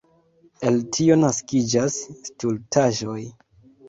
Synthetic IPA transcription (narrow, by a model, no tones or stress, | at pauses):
e̞ltʰio̞naskid͡ʒasstultʰaʒo̞j